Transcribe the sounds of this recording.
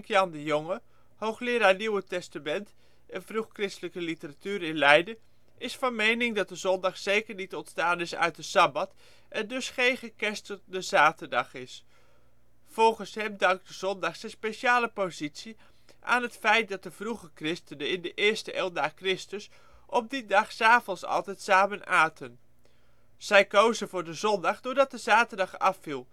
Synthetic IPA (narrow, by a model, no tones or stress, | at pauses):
kjɑndəjoŋə | howχlɪːɾaːniwətɛstamɛnt | ɛnvruχkrɪstələkəlitəratyːɾɪnlɛjdə | ʔɪsfɑnmejnɪŋdɑt̚dəzɔndɑχsejkəɹnitɔntstaːnɪsœ̰ɥt̚dəsɑbɑt | ʔɛndɵsχejnχəkɛstt̚dəzaːtərdɑχɪs | fɔlˠχənsɦɛmdɑŋk̚dəzɔndɑχsɛnspeʃaːləpozitsi | ʔa̰ːnɦətfɛjt̚dɑt̚dəv̥ruχəkrɪstənənɪndəʔɪːɹstəʔɛlˠdaːkrɪstəs | ʔɔp̚didɑχsaːvɔnsɑ̰lˠtɛjtsaːmənaːtʰən | z̥ɛjkowzənvʊːɹdəzɔndɑχdʊːɹdɑt̚dəzaːtəɹdɑχɑfilˠ